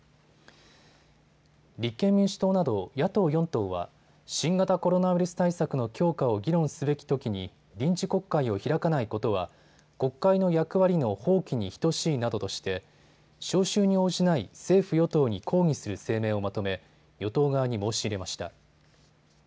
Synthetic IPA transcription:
ɾʲikːẽ̞mːʲĩɰ̃ɕi̥t̪o̞ːnad̪o̞jat̪o̞ːjõ̞nt̪o̞ːβa̰ | ɕĩŋɡat̪ako̞ɾo̞naɸiɾɯsɨ̥t̪aisakɯ̟no̞kʲo̞ːkao̞ɡʲiɾõ̞ɰ̃sɨbe̞kʲi̥t̪o̞kʲiɲ̟i | ɾʲĩɲ̟t͡ɕiko̞kːaio̞çiɾakanaiko̞t̪o̞βa | ko̞kːaino̞jakɯ̟βaɾʲino̞ho̞ːkʲiɲ̟içi̥t̪o̞ɕiːnad̪o̞t̪o̞ɕi̥t̪e̞ | ɕo̞ːɕɨːɲ̟io̞ːʑinaise̞ːɸɯ̟jo̞t̪o̞ːɲ̟ikʰo̞ːŋ̟isɨɾɯ̟se̞ːme̞ːo̞mat̪o̞me̞ | jo̞t̪o̞ːɡaβɲ̟imo̞ːɕiːɾe̞maɕi̥t̪a̰

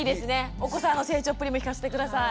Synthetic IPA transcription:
iːd̪e̞sɨne̞oko̞sãnːo̞se̞ːt͡ɕo̞ːpːɯ̟ɾʲimoçikasɨ̥t̪e̞kɯ̟d̪asa

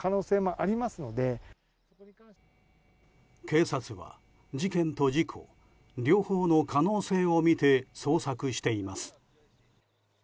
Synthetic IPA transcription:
kano̞ːse̞ːmo̞ʔaɾʲimasɨno̞d̪e̞ | ke̞ːsat͡sɨβa̰ | d͡ʑikẽ̞nt̪o̞d͡ʑikʰo̞̰ | ɾʲo̞ːhoːno̞kano̞ːse̞ːo̞mʲit̪e̞so̞ːsakɯ̟ɕi̥t̪e̞imasɨ̥

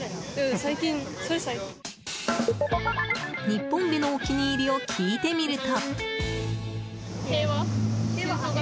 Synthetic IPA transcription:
saikʲĩnsoɾesaiki | ɲ̟ipːõmbʲino̞ːkʲiɲ̟iːɾʲiokʲʰiːt̪e̞mʲiɾɯ̟t̪o | e

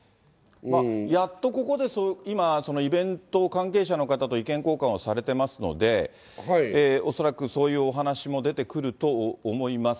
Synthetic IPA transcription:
majat̪ːo̞ko̞ko̞d̪e̞soimaso̞no̞ibẽ̞nt̪o̞kãŋke̞ːɕano̞kat̪at̪oikẽŋko̞ːkãɰ̃osaɾe̞t̪e̞masɨno̞̰d̪e̞ | ho̞so̞ɾakɯ̟so̞ːjɯ̟ːo̞ɦanaɕimo̞d̪e̞t̪e̞kɯ̟ɾɯ̟t̪o̞ːmo̞imas

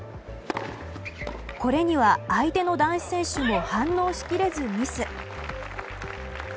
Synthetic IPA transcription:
ko̞ɾe̞ɲ̟iβ̞aːit̪e̞no̞d̪ãɰ̃ɕi̥sẽ̞ɰ̃ɕɨmo̞hãnːo̞ːɕi̥kʲiɾe̞zɨmʲisɨ

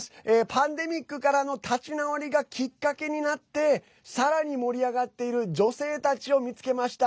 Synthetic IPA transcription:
sɨ̥eːpãnd̪e̞mʲikːɯ̟kaɾano̞t̪ʰat͡ɕinaoɾʲiɡakʲikːake̞ɲ̟inat̪ːe̞ | saɾaɲ̟imo̞ɾʲiaɡat̪ːe̞iɾɯ̟d͡ʑo̞se̞ːt̪at͡ɕio̞mʲit͡sɨ̥ke̞maɕi̥t̪a

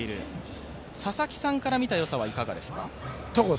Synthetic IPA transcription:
iɾɯ̟̰ | sasakʲi̥sãŋkaɾamʲit̪ajo̞saβ̞aikaɡad̪e̞sɨ̥kat̪oɡo

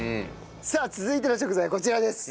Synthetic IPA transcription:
saːt͡sɨzɨit̪enoɕo̞kɯ̟zaiko̞t͡ɕiɾad̪e̞sɨ̥

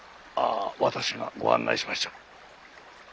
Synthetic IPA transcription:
aːβat̪aɕiɡaɡo̞ã̰nːʔa̰iɕimaɕi̥t̪ḁ

